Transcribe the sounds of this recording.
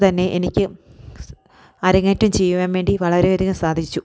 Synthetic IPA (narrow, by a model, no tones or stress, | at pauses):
t̪ɐnːe̞ʔenikʲːɨ | ɐɾɐŋːeːtːumt͡ɕe̞jːuʋaːnʋe̞ːɳɖiʋɐɭɐɾeod̪iɣumsaːd̪ʱit͡ɕːu